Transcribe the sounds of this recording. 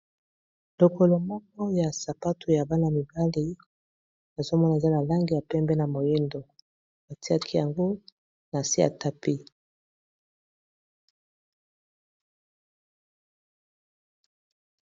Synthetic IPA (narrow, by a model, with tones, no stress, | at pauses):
lo˨ko˨lo˨mɔ˦k̚ɔ˦ja˨sa˨pa˦tʰu˨ja˨ba˦na˨mi˨ba˦li˦ | na˨zo˦mɔ˦na˨e˨za˦na˨la˦ŋɡi˨ja˨pɛ˦mbɛ˦na˨mo˨je˦ndo˨ | ba˨ti˦a˦kʰi˦ja˨ŋɡo˦ | na˨si˦a̰˨ta˦pi˦